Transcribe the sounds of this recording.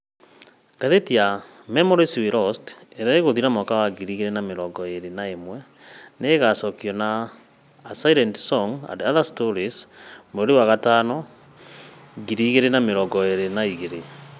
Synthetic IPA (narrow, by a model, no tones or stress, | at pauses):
kaðetiamɛmɔɾisiwiɾɔsteɾaeɣoðiɾamɔkawaɡiɾiɣeɾenameɾɔɡɔeɾenaemwɛ | neːɣasɔkiɔnaː | saiɾɛntsɔŋã̰ndaðastoɾismoɾewaɣataːnɔ | ɡiɾiɣeɾenameɾɔɡɔeɾenaiɣeɾe